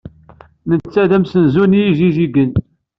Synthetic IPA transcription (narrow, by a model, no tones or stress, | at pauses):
mənt͡sːæðæmsənzunijiʒiʒiɡən